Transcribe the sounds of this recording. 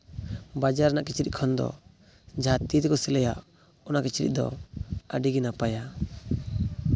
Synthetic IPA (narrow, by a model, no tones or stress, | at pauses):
bad͡ʒaɾnaʔkit͡ʃɾḭʔ̚kʰɔnd̪ɔ̰ | d͡ʒat̪it̪kɔsilɛja̰ʔ | ɔnaʔkit͡ʃɾḭˀd̪ɔ̰ə̰ɖiɡinapaja